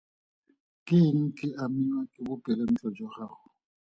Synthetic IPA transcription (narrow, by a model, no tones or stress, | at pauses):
kʼɪŋ̩kʼɪʔamɪɲwakʼɪbʊpʼɛlen̩t͡ɬʼɔd͡ʒɔχaːχʊ